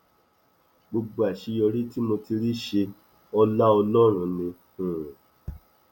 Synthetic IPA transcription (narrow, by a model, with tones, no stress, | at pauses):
ɡ͡bo˧ɡ͡bo˧a˨ʃi˧jɔ˧ɾi˦ti˦mo˧ti˧ɾi˦ʃe˧ | ɔ˦la˦ɔ˧lɔ̃˦˨ɾ̃ũ˧˨nĩ˧ | ũ˨